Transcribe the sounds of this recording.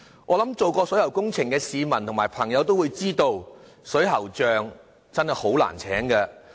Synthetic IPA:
ŋɔː˨˧lɐ˨˥mt͡so˨wkɔː˧sɵ˨˥jɐ˨˩wkʊ˥ŋt͡sʰɪ˨˩ŋkɛː˧siː˨˧mɐ˨˩nt̪ʰʊ˨ŋmaː˨jpʰɐ˨˩ŋjɐ˨˧wt̪o˥wuː˨˧jt͡siː˥t̪o˧w | sɵ˨˥jɦɐ˨˩wt͡ʃœː˨˧ŋ | t͡sɐ˥nhɐ˨jho˨˥wla̰ː˨˩nt͡sʰɛ̰ː˨˥ŋkɛ˧

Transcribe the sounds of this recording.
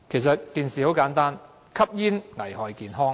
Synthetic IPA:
kʰe˨˩jsɐ˨t̚k̪iː˨˧nsiː˨˩o˨˥wkaː˨˥nt̪aː˥n | kʰɐ˥p̚jiː˥nŋɐ˨˩jhɔː˨jkiː˨˧nɦɔː˥ŋ

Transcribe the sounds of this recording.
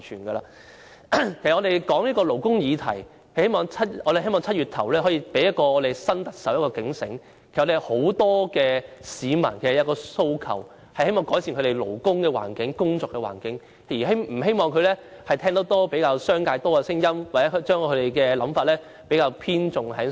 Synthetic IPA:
t͡ʃʰyː˨˩nɡɐ˧la̰ː˧ | kʰe˨˩sɐ˨ʔŋɔː˨˧t̪e˨jkɔː˨˥ŋniː˥kɔː˧lo˨˩wkʊ˥ŋjiː˨˧t̪ʰɐ̰˨˩j | hɐ˨˧he˥jmɔː˨˧ŋt͡sʰɐ˥t̚ʔɔː˧ɾe˨hɦe˥jmɔː˨ŋt͡sʰɐ˥t̚y˨t̪̚ʰɐ˨˩wlɛː˥ɦɔ˨˥jiː˧pe˨˥jɐ˥t̚kɔː˧ɔː˨˧t̪e˨jsɐ˥nt̪ɐ˨k̚sɐ˨˥wjɐ˥t̚kɔː˧kɪ˨˥ŋsɪ̰˨˥ŋk | kʰe˨˩˨e˨ho˨˥wt̪ɔː˥kɛː˧siː˨˧mɐ̰˨˩nkʰe˨˩sjɐ˨˧wkɔː˧so˧˥wkʰɐ̰˨˩w | hɐ˨jhe˥jmɔː˨ŋkɔː˨˥jsiː˨nkʰɾe˨˩jlo̰˨˩wkʊ˥ŋkɛː˧wa̰ː˨˩nkɪ˨˥ŋkʊ˥ŋt͡sɔː˧kːɛː˧wa̰ː˨˩nkɪ˨˦˥ŋ˨ | iː˨˩ɦe˥m̩˨˩he˥jmɔː˨ŋkʰɵ˧ɥlɛː˥ | hɐ˨jt̪ʰɛː˥ŋt̪o˨˥wt̪ɔː˥pe˨˥jkaː˧wsœː˥ŋkaː˧jt̪ɔː˥kɐ˧sɪ˥ŋjɐ˥mwaː˨t͡sɛ˨˦˥t͡ʃœː˥ŋkʰɵ˨˧t̪e˨jkɛː˧lɐ˨˥mfaː˧t̚lɛː˥ | pe˨˥jkaː˧wpʰiː˥nt͡ʃʊ˨ŋhɐ˨˥j

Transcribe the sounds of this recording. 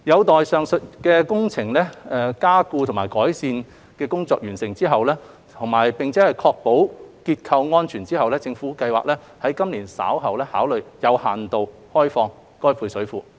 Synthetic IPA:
jɐ˨˧wt̪ɔː˨jsœː˨˧ŋsɵ˨˧t̚kɛː˧kʊ˥ŋt͡sʰɪ˨˩ŋlɛː˥ɛ˨˧kaː˥kuː˧t̪ʰʊ˨˩ŋmaː˨˩jkɔː˨˥jsiː˧n | kɛː˧kʊ˥ŋt͡sɔː˧k̚jyː˨˩nsɪ˨˩ŋt͡siː˥ɦɐ˨wlɛː˥ | t̪ʰʊ˨˩ŋmaː˨˩jpɪ˨ŋt͡sʰɛː˨˥hɐ˨jkʰɔː˧k̚po˨˥wkiː˧t̚kʰɐ˧wŋɔː˥nt͡ʃʰyː˨˩nt͡siː˥hɐ˨wlɛː˥t͡sɪ˧ŋfuː˨˥kɐ˧jwa̰ː˨k̚lɛː˥ | hɐ˨˥jkɐ˥mliː˨˩nsa̰ː˨˥wɦɐ˨wlɛː˥haː˨˥wlɵ˨˧ɥjɐ˨˧whaː˨nt̪o˨w | hɔː˥jfɔː˧ŋ | kɔː˥jpʰuː˧jsɵ˨˥ɥfuː˨˧

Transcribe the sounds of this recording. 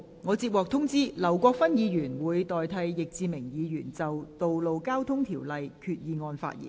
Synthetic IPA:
ŋɔː˨˧t͡siː˧p̚wɔː˨k̚t̪ʰʊ˥ŋt͡siː˥lɐ˨˩wkʷɔː˧k̚fɐ˥njiː˨˧jyː˨˩nwuː˨˧jt̪ɔː˨jt̪ʰɐ˧jːɪ˨k̚t͡siː˧mɪ˨˩ŋjiː˨˧jyː˨˩nt͡sɐ˨wt̪o˨wlo˨wkaː˥wt̪ʰʊ˥ŋt̪ʰiː˨˩wlɐ˨jkʰyː˧t̚jiː˨˧ŋɔː˧nfa̰ː˧t̚jḭ˨˩n

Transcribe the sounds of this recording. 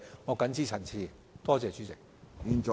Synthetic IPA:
ŋɔː˨˧kɐ˨˥nt͡siː˥t͡sʰɐ˨˩nt͡sʰiː˧ | t̪ɔː˥t͡sɛː˨˧t͡ʃyː˨˥t͡sɪ˨k̚i˧nt͡ʃɔ˨

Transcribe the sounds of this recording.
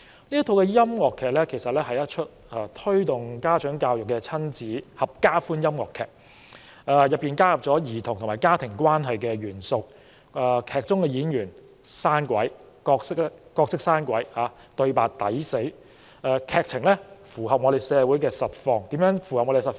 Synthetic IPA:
liː˥ɐ˥t̪ʰo˧wkɛː˧jɐ˥mŋɔː˨˩kʰːɛː˨k̚lɛː˥kʰe˨˩jsɐ˨t̚lɛː˥hɐ˨jɐ˦˥t̚t͡ʃʰɵ˥t̚ | ɛː˧t̪ʰɵ˥ɥt̪ʊ˨˩ŋkaː˥t͡ʃœː˨˥ŋkaː˧wjʊ˨kːɛ˧t͡sʰɐ˥nt͡siː˨˥hɐ˨p̚kaː˥fuː˥njɐ˥mŋɔ̰ː˨˩kʰːɛː˨k̚ | aː˧jɐ˨p̚pːiː˨˧nkaː˥hɐ˨p̚t͡sɔː˨˥jiː˨˩t̪ʰʊ˨˩ŋt̪ʰmaː˨jkaː˥t̪ʰɪ˨˩ŋkʷwaː˥nɦɐ˨jkɛ˧ɥyː˨˩nsʊ˨k̚ | ɛː˨˧kʰɛː˨˩k̚t͡sʊ˥ŋkɛ˧jiː˨˥njyː˨˩n | saː˥nkʷɐ˨˥j | kɔː˧ksɪ˥k̚kɔː˧k̚sɪ˥k̚saː˥nkʷɐ˨˥jhaː˨˧ | t̪ɵ˧ɥpaː˨k̚t̪ɐ˨˥jse˨˥j | ʔɛː˧kʰɛː˨k̚t͡sʰɪ˨˩ŋlɛ˥fuː˨˩hɐ˨p̚ŋɔ˨˧d̪e˨jsɛː˨˧wu˨˥jkɛː˧sɐ˨˩t̚fɔː˧ŋt̪i˨˥mjœː˨˥ŋfu˨˩ɐ˨p̚ŋɔ˧de˨˧sɐ˨˩

